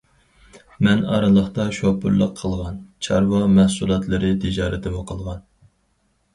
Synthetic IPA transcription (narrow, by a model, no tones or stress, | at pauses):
mɛnɑ̰ɾɨlˠəχt̪ɑʃopʊ̰ɾlˠəqʰːəlˠʁɑnt͡ʃʰɑɾwɑmɛhsulˠɑt̪ʰlˠɨɾɨt̪ʰɪd͡ʒɑːɾɪt̪ʰɪmuqʰəlˠʁɑn